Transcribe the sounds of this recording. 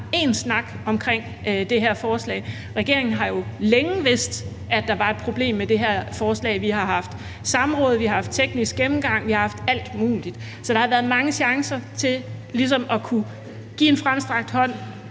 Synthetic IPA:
e̝nsnɑ̈ɡ̥ɒ̽mkʰʁeŋ̰ | d̥e̝ɦeɐ̰fɒːslɛ̰ɪ | ʁɛɡ̥e̝ɐ̰eŋn̩ɦɑ̈jo̝leŋəʋe̝sd̥ | æd̥ɑ̈ʋɑ̈e̝d̥̚pʰʁo̝b̥le̝̰ːmːed̥e̝ɦæɐ̰fɒːslɛ̰ːɪʋiɦɑ̈hɑ̈fd̥ | sɑ̈mʁɔ̽ːð̞̩ˠʋihɑ̈hɑ̈fd̥̚t͡sʰeɡ̥nisɡ̥emm̩ɡ̥ɑ̈ŋ̰ʋihɑ̈hɑ̈fd̥æl̰d̥muːlid̥ | sɒ̽d̥ɑ̈hɑ̈ʋæːɐð̞̩ˠmɑ̈ŋəɕɑ̈ŋsɐt͡sʰe̝llis̬ɒ̽mɒ̽kʰu | ɡ̥ḭːe̝nfʁamsd̥ʁɑ̈ɡ̥̚d̥hɒ̽n̰

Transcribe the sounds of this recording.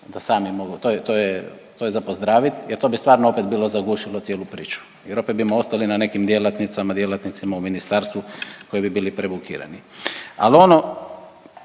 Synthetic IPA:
d̪asaːmimo̞ɡut̪ojet̪oːjet̪oːjezapo̞zd̪ɾaːʋit̪jeɾt̪o̞ːbist̪ʋaːɾnoo̞pet̪biːlo̞zaɡuːʃilˠosjeːlˠupɾḭːt͡ʃu̥ | jeɾo̞ped̪̚bimoo̞st̪alinane̞kimd̪jelat̪nit̪samad̪jelˠat̪nit̪simauminist̪aːɾst̪ʋuko̞jibibiːlipɾebukḭːɾa̰nia̰lio̞no

